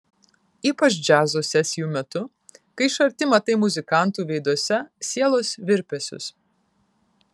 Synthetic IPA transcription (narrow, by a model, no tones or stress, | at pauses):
iːpɐt͡ʃd͡ʒʲæːzoːsʲɛsʲɪjuːmʲɛt̪ʊ | kɐɪʃɐɾʲt̪ʲɪmɐt̪ɐɪmʊzʲɪkɑˑnt̪uːʋʲɛɪd̪ɔsʲɛsʲiɛlˠoːsʋʲɪɾʲpʲɛsʲʊ̰s